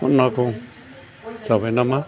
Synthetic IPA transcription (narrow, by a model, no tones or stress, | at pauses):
ṵnãkũ | saβenãmã